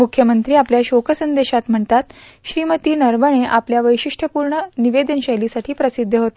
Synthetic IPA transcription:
mukʰjəmənt̪ɾiːapljaɕokʰəsənd̪eɕat̪m̤əɳt̪at̪ | ɕɾiːmət̪iːnəɾʋəɳ̃eʔapljaʋəjɕiʂʈʰəpuɾɳəniʋed̪ənɕəjlisaʈʰiːpɾəsid̪ʱːəɦot̪e

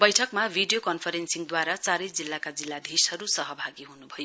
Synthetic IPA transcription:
bʌjʈʰʌkmabʱiɖijokʌnpʰʌɾensiŋd̪waɾat͡saɾʌjd͡zilːakad͡zilːad̪ʱishʌɾusʌɦʌbʱaɡiɦunubʱʌjo

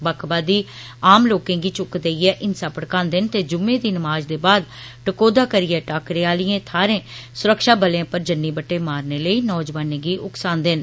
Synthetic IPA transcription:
bəkʰbaːd̪iː | aːmloːkẽːɡiːt͡ʃʊkd̪eːiɛːʔɪnsaːpəɽkãːnd̪ɪnt̪eːd͡ʒʊmːẽːd̪iːnəmaːd͡ʒd̪eːbaːd̪ | ʈəkoːd̪aːkəɾɪːɛːʈaːkɾeːaːlɪjẽːt̪ʰaːɾẽːsʊɾəkʃaːbəlãːpəɾd͡ʒənːiːbəʈːeːmaːɾneːləiːnɔːd͡ʒʋaːnẽːɡiːʔʊksãːnd̪ɪn

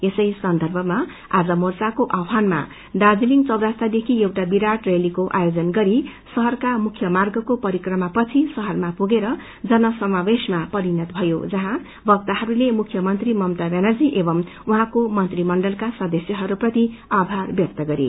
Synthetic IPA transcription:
esʌjsʌnd̪ʱʌrbʱʌma | ad͡zʌmort͡sakoʔawɦanma̰ | ɖad͡ziliŋɡt͡sʌwd̪ast̪ʰad̪ekʰiewʈabiɾaʈrelikoʔajod͡zʌnɡʌɾisʌɦʌrkamukʰjʌmarɡʌkopʌɾikrʌmapʌt͡sʰisʌɦʌrmapuɡeɾʌ | d͡zʌnʌsʌmabesmapʌɾinʌt̪̚bʱʌjo̰d͡zʌɦã | bʱʌk̚t̪aɦʌɾulemukʰjʌmʌnt̪rimʌmt̪abenʌrd͡ziʔebʌm | uɦãkomʌnt̪rimʌɳɖʌlkasʌd̪ʌsjʌɦʌɾuprʌt̪iabʱarbjʌk̚t̪ʌɡʌɾḭ

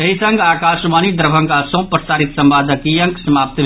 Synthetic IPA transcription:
ɐɦisɐ̃ŋɡaːkaːʃmaːnid̪ɾbʱəŋkasõpɾəsaːɾit̪sɐ̃mbaːd̪ʱəkijə̃ŋksɐmaːp̚t̪

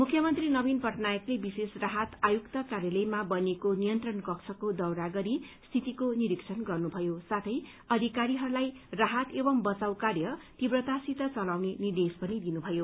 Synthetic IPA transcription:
mukʰjʌmʌnt̪rinʌbinpʌʈnajʌklebisesraɦat̪ajukt̪ʌkaɾjʌlʌjmabʌnekonijʌnt̪rʌnkʌkt͡sʰʌkod̪ʌwɾaɡʌɾist̪ʰit̪ikoniɾiksʰʌnɡʌrnubʱʌjosat̪ʰʌj | ʌd̪ʱikaɾiɦʌɾulaj | raɦat̪ebʌmbʌt͡sawkarjʌt̪ibrʌt̪asit̪ʌt͡sʌlawnenird̪espʌnid̪inubʱʌjo

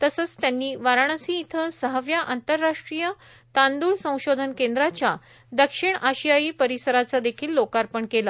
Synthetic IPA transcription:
t̪əsət͡st̪janːiːʋaɾaɳ̃əsĩːt̪ʰəsəɦəʋjaʔant̪əɾːaʂʈɾijə | t̪and̪uːɭsə̃w̃ɕod̪ʱənkẽnd̪ɾat͡ɕja | d̪əkʂiɳaɕijajiːpəɾisəɾat͡sad̪ekʰiːlːokaɾpəɳkela

